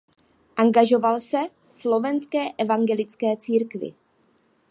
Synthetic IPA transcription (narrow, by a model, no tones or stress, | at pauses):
ʔaŋɡaʒo̞valsɛ | slo̞vɛnskɛːʔɛvaŋɡɛlɪt͡skɛːt͡siːɾkvɪ̰